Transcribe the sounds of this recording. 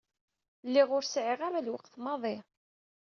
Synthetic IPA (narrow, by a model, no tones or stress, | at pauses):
lːiʁʊɾsʕɪʁaɾalwəqθmɑðˤɪ